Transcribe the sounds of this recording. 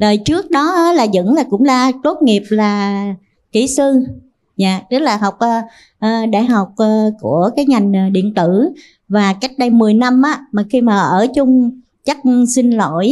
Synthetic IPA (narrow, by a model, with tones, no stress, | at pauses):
ləː˨˩jt͡ɕɨ˦˥ək̚ɗɔ˨˦ʔaː˧˦laː˨˩zə̰˧˥ŋlaː˨˩kʊ̰˧˥ŋ͡mlaː˨˩t̪o˦˥t̚ŋi˨˩əp̚laː˨˩ | ki˧˩sɨ˧ | za̰ː˧˨t̪ɨ˦˥k̚laː˨˩ɦa˨˩wk͡p̚ʔəː˧ | ʔːɗa̰ː˧˨jɦa˨˩wk͡p̚ʔːku˧˩əkaː˨˦jŋa˨˩jŋ̟ː˨˩ɗḭ˧˨ənt̪ɨ˧˩ | vaː˨˩ka˦˥jk̟̚ɗə˧jmɨ˨˩əjna˧mʔaː˨˦maː˨˩xi˧maː˨˩ʔəː˧˩t͡ɕʊ˧ŋ͡m | t͡ɕa˦˥k̚sï˧nlo˧˩˨j